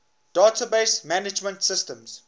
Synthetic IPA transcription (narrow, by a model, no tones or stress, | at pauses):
d̥aːtʰabeɪsmænɪd͡ʒmə̃ntsɪstə̃mz̥